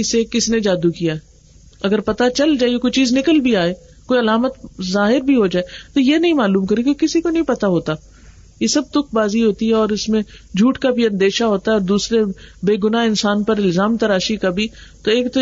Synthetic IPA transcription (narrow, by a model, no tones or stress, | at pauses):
ɪsekɪsned͡ʒaːd̪ukijaɦɛ | ɐɡəɾpɐt̪at͡ʃɐld͡ʒaːeokoːit͡ʃiːznɪkəlbʱiaːeː | koːiɐlaːmət̪zaːɦɪɾbʱiɦod͡ʒaːet̪ojenɐɦĩmaːluːmkɐɾekekɪsikonɐɦĩpɐt̪aɦoːt̪a | jesɐb̚t̪ʊk̚ʰbaːziɦoːt̪iɦɛɔːɾɪsmẽd͡ʒʱuːʈkabʱiɐ̃nd̪eːʃaɦoːt̪aɦɛɔːɾd̪uːsɾebeːɡʊnaɪnsaːnpɐɾɪlzaːmt̪ɐɾaːʃikabʱi | t̪oeːkt̪o